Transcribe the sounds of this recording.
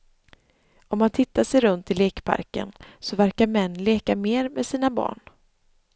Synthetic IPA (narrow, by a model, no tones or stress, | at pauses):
ɔmːant̪ʰɪt̪ːaʂɛjɾɵnt̪ɪleːkpʰa̰ɾkə̰nsɔvæɾkaɾmɛnːleːkameːɾmɛsiːnabɑ̰ːɳ